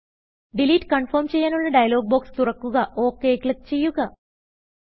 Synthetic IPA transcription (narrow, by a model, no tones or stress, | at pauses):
ɖiliːʈːɨ̥kɐɳfoːrmt͡ɕe̞jːaːnuɭːɐɖɐjɐlo̞ːɡ̚boːkst̪urɐkːuɣɐʔo̞ːkːeːklɐt̪ːt͡ɕe̞jːuɣɐ